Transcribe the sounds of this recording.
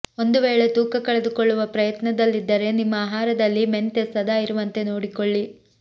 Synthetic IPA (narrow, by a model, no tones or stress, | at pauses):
o̞nd̪uʋeːɭe̞t̪uːkɐkɐɭed̪ukoɭːuʋɐpɾɐjɐt̪nɐd̪ɐlːid̪ːɐɾe̞nimːɐaːɦaːɾɐd̪ɐlːime̞nt̪esɐd̪ʱaːiɾuʋɐnt̪e̞noːɽikoɭːi